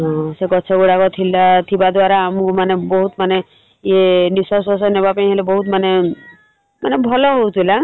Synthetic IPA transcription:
ɦɔ̃sekɔt͡ʃʰɔɡuɽakɔt̪ʰilat̪ʰibad̪waɾaːmukmanebɔɦut̪mane | enisɔsɔsɔnebapaĩɦelebɔɦut̪mane | manebʱɔlɔɦowt̪ʰila

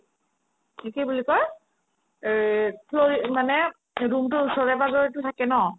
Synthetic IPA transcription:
ikejbulikɔj | pʰloɹimanɛ | ɹumtʊɹusɔɹɛbaɡɔɹɛtʊtʰakɛnɔ

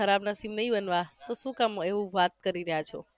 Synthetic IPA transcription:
əɾabnasimnəɦĩbənʋat̪oʃũkameʋũʋat̪̚kəɾiɾəɦjat͡ʃʰo

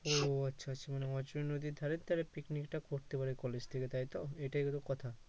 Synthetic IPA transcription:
oatːɕʰaaːʃʰamaneɦɔt͡ɕoɾenod̪id̪ʱaɾet̪aɾapiknikʈakoɾt̪epaɾekɔled͡ʑt̪ʰeket̪ajt̪oeʈajkot̪okɔt̪ʰa

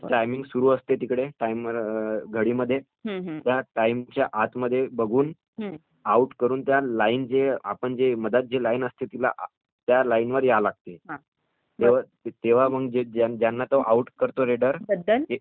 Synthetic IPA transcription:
ʈajmiŋɡsuɾuːəst̪et̪ikɽeʈaimʋəɾɡʱəɽiːməd̪ʱːje | t̪jaʈaimt͡ɕjaʔat̪ʰməd̪ʱːjebəɡʱuːn | auʈkəɾuːnt̪jalaind͡ʑea̰pəɳd͡ʑeməd̪ət̪̚d͡ʑelainəst̪et̪ila̰ʔ | t̪jalainʋəɾjalaɡ̚t̪eɦã | t̪eʋa | t̪eʋ̤aməɡd͡ʑead͡ʑjanːat̪oʔauʈkəɾt̪oɾeɽəɾbəd̪ʱəle

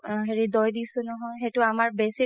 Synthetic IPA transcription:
ɦeɹidɔjdisʊnɔɦɔjɦetʊamaɹbesi

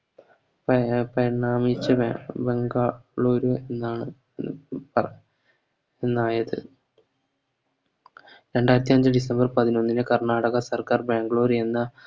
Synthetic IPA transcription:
ppɐjɐɳːaːmit͡ɕːɐbeŋɡaːɭo̞ːɾuenːaːɳɨ | pɐ | enːaːjɐðɨ̰ | ɾe̞ɳɖaːjɾɐt̪ːijɐɲd͡ʑɨɖisɐmbɐrpɐðino̞nːinɨkɐrɳaːɽɐɣɐsɐrkaːrbaːŋɡɐɭo̞ːɾenːɐ

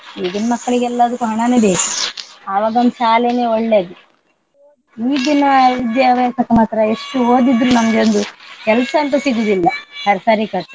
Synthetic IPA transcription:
iːɡ̪inmɐkːɐɭiɡeɛlːɐɐd̪ɐkːuɦɐɳɐneːbeːkuɐʋaːɡɐond̪uʃaːlene̞ːoɭːeːd̪i | iːd̪inɐʋid̪jaʋjasɐkːɐmaːt̪ɾɐe̞ʂʈuoːd̪id̪ɾunɐmɐɡeond̪ukɛlsɐɐnt̪ɐsiɡud̪ilːɐhɐɾɐsaɾikɐɾt̪ːu

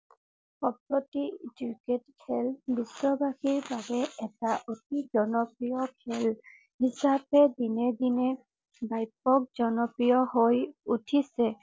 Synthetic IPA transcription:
xɔpɹotituketkʰɛlbisɔbaxiɹbabɛɛtaʔotizɔnɔpɹijɔkʰɛl | hisapɛdinɛdinɛ | bajp̚ɔk̚zɔnɔpɹijɔhojutʰisɛ

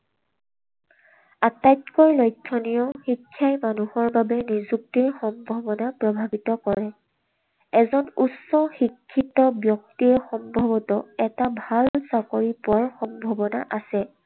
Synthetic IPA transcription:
atajtkɔjlɔjtʰːɔnijɔxikʰːjajmanuhɔɹbabɛnizuk̚tiɹxɔmbʱɔbɔnapɹɔbʱabitɔkɔɹɛ | ɛzɔnussːɔxikʰːitɔbjɔk̚tiɛxɔmbʱɔbɔtɔɛtabʱalsakoɹipʊwaɹxɔmbʱɔbɔnaʔasɛ

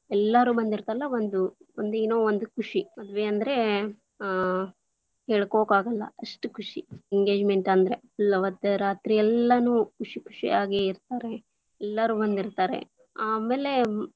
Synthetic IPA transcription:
ɛlːɐɾuːbɐnd̪iɾt̪ɐlːɐʋond̪uond̪uinoːond̪ukʰuʂimɐd̪ʋeɐnd̪ɐɾe̞ | heːɭkoːkaːɡɐlːɐ̰ɐʂʈukʰuʂḭiŋɡeːd͡ʒmeɳʈɐnd̪ɐɾe | lɐʋɐd̪ɐɾaːt̪ɾijɛlːɐnuːkʰuʂikʰu̥ʂḭaːɡe̞iɾt̪aːɾe̞ | ɛlːɐɾuːbɐnd̪iɾt̪aːɾe̞̰ | aːmeːle̞

